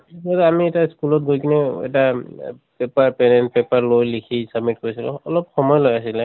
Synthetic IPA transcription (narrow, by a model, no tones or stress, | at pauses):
kɔtamiɛtaskulɔtɡojkʰinɛɛ̰ta | pɛpaɹpɛnɛnt̚pɛpaɹlojlikʰisab̚mit̚koɹisilʊ̰̃ɔlɔpxɔmɔjlojasilɛ